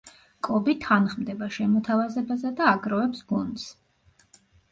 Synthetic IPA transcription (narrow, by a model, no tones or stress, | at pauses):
kʼɔbit̪ʰanχmd̪ɛbaʃɛmɔt̪ʰavazɛbazad̪aːɡɾɔɛpsɡund̪s